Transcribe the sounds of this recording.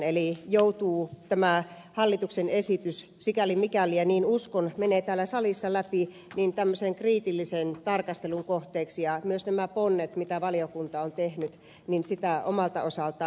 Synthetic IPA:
elijout̪uːt̪æmæ | hɑlːit̪uksenesit̪yssikælimikæliæniːnuskonmeneːt̪æːlːæsɑlisːɑlæpi | niːnt̪æmːøseŋkriːt̪ilːisent̪ɑrkɑst̪eluŋkoht̪eːksijɑmyøsnæmæponːet̪mit̪æʋɑliokunt̪ɑont̪ehnyt̪ | ninsit̪æʔomɑlt̪ɑosɑlt̪ɑ

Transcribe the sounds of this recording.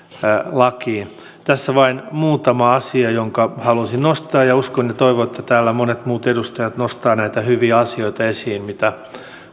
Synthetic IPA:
lɑkiː | t̪æsːæʋɑinmuːt̪ɑmɑɑsiɑjoŋkɑhɑlusinnost̪ɑːjɑuskonjet̪oiʋoet̪ʰːæt̪æːlːæmonet̪muːt̪edust̪ɑjɑt̪nost̪ɑːnæit̪æhyʋiæɑsioit̪ɑesiːnmit̪æ

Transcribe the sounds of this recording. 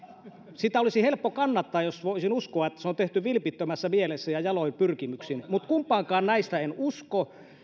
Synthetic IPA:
sit̪æolisihelpːokɑnːɑt̪ːɑːjjosʋoˑisinuskoɑet̪ːæ̥seont̪eht̪yʋilpit̪ːømæsːæmielesːæjɑjɑloimpyrkimyksinmut̪kumpˑɑːŋkˑɑːnnæist̪æenusko

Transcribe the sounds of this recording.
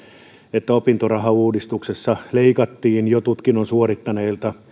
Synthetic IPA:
et̪ːæopint̪orɑhɑuːdist̪uksesːɑleikɑt̪ːiːnjot̪ut̪kinːonsuorit̪ːɑneilt̪ɑ

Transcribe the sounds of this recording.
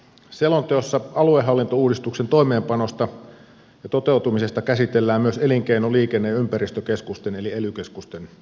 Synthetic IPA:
selont̪eosːɑɑlueɦɑlːint̪ouːdist̪uksent̪o̞ime̞ːmpɑno̞st̪ɑ | jɑt̪o̞t̪e̞wt̪umise̞st̪ɑkæsit̪elːæːmmyøse̞liŋkeinoliːkenːejympæɾist̪økeskust̪ene̞lielykeskust̪en

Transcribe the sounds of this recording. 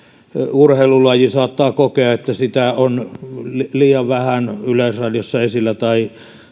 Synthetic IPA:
urheilulɑjisɑːt̪ːɑːkokeɑet̪ːæsit̪æonlliːjɑʋʋæhænylesrɑljosːɑesilːæt̪ɑi

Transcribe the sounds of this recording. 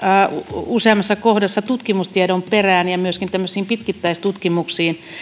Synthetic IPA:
useɑmːˑɑsːɑkohdɑsːɑt̪ut̪kimust̪iedomperæːnjɑmyøskint̪æmːøsiːmpit̪kit̪ːæist̪ut̪kimuksiːn

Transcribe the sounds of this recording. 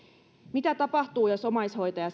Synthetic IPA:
mit̪æt̪ɑpɑht̪uːjosomɑisho̞it̪ɑjɑ

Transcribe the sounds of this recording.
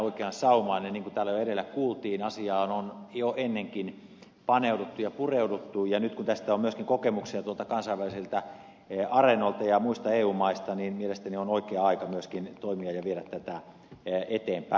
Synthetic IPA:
oikeɑnsɑumɑineniːŋkunt̪æːlːæjoeɾelːækkuːlt̪iːnɑsiɑːnonjoʔenːeŋkin | pɑneudut̪ːujɑpureudut̪ːujɑnyt̪kunt̪æst̪æomyøskiŋkokemuksiɑt̪uolt̪ɑkɑnsɑiʋæliselt̪æ | ɑrenolt̪ɑjɑmuist̪ɑeːuːmɑist̪ɑniːnmielest̪ænionoikeːɑikɑmyøskint̪oimiɑjɑʋieɾæt̪tːæt̪æ | et̪eːmpæ̰

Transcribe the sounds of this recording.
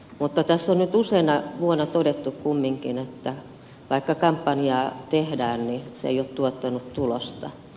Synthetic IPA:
mut̪ːɑt̪æsːonnyt̪useinɑʋuonɑt̪odet̪ːukkumːiŋkinet̪ːæ | ʋɑikːɑkɑmpːɑniɑːt̪ehdæːnniseḛijot̪t̪uot̪ːɑnutt̪ulost̪ɑ

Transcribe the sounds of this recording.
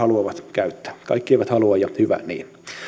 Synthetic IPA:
ɑluɑʋɑt̪kæyt̪ːæ̥ːkɑ̰ikːieiʋæt̪hɑluɑjjɑhyʋæ̰nḭːn

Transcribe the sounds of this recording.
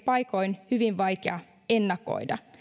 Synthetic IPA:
pɑjko̞inhyʋiʋʋɑjkeɑ | enːɑko̰jdɑ

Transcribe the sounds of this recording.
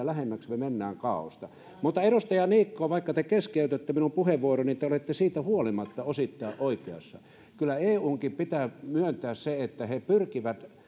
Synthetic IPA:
ælæhemːæksmemenːæːŋkɑˑo̰st̪ɑ | mut̪ːɑeɾust̪ɑjɑniːkːoːʋɑˑikːɑt̪ekeskeˑyt̪øt̪ːeminumpuheʋʋuoronit̪eolet̪ːesiːt̪æhuolimɑt̪ːɑosit̪ːɑˑeʔʔoˑikeɑ̰sːɑ̰ | kylːˑæeːuːŋkippit̪æːmyønt̪æːsseet̪ːæhepyrkiʋæt̪

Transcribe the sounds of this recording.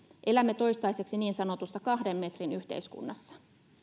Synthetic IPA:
ʔe̞læmːet̪o̞jst̪ɑjse̞ksiniːnsɑno̞t̪usːɑkɑhde̞mme̞t̪rinyht̪ḛiskṵnːɑsːɑ̥

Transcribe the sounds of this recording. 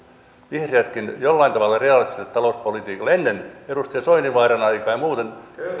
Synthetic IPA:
ʋihreæt̪kinjolːɑint̪ɑʋɑlːˑɑreɑlist̪iset̪t̪ɑlouspolit̪iːkɑlenːenerust̪iɑsoiniʋɑːrɑnɑikɑːjɑmuːt̪en

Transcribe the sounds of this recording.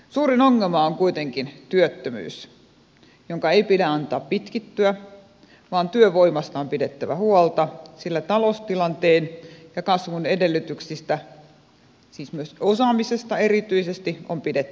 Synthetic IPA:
suːrinoŋːelmɑoŋkuit̪eŋkint̪yøt̪ːømy̰ːs | joŋkɑeipidæɑnt̪ɑːppit̪kit̪ːyæ | ʋɑːnt̪yøʋoimɑst̪ɑompidet̪ːæʋæhuolt̪ɑsilːæt̪ɑlost̪ilɑnt̪eːnjɑkɑsʋunedelːˑyt̪yksist̪æ | siːsmyøsosɑmisest̪ɑerit̪yisest̪iompidet̪ː

